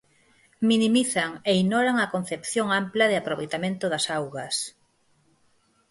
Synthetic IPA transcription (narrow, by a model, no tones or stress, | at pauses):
minimiθɐŋeinoɾaŋɐkon̟θepθjoŋamplɐðɪapɾoβḛjt̪amẽnt̪ʊðɐsawɣɐs